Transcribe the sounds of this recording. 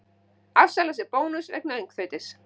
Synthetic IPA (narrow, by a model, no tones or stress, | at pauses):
afsalasɪpoːwnʏsvɛ̰k̚naejŋkθœɥt̪ɪs